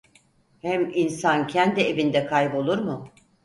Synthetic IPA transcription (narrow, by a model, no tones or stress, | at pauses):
hæminsancʰɛnd̪ie̞vind̪ɛkʰajbo̞lˠuɾmʊ